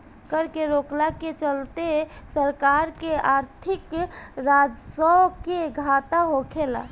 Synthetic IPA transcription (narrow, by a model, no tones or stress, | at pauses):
kəɾkeɾoklaket͡ʃəlt̪esəɾkaɾkeaɾt̪ʰikɾad͡ʒsɔkeɡʱat̪aɦokʰela̰